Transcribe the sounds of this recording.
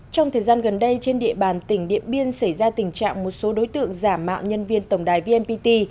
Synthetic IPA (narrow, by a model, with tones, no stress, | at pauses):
t͡ɕɔ˧wŋ͡mt̪ʰəː˨˩jzaː˧nɣə˨˩nɗə˧jt͡ɕe˧nɗḭ˧əɓaː˨˩nt̪ï˧˩ŋ̟ɗḭ˧˨ənɓi˧ənsa˧˩jzaː˧t̪ï˨˩ŋ̟t͡ɕa̰ː˧˨ŋmo˨˩t̚so˨˦ɗo˨˦jt̪ɨ̰˧˨əŋzaː˧˩mːa̰ː˧˨wɲə˧nvi˧ənt̪ə˧˩wŋ͡mɗaː˨˩jvi˧ɛ˧npi˧t̪i˧